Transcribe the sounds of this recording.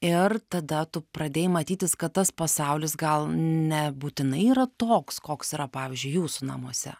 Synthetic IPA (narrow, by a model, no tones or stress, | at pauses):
ɪrt̪ɐd̪ɐt̪ʊpɾɐd̪ʲeːjmɐt̪ʲiːt̪ʲɪskɐt̪t̪ɐspɐsɐʊlʲɪsɡɐlˠnʲɛbuːt̪ʲɪnɐɪiːɾɐt̪oːkskoːksiːɾɐpɑːʋʲɪzʲd͡ʒʲʊɪjuːsʊnɐ̰muɔsʲɛ̰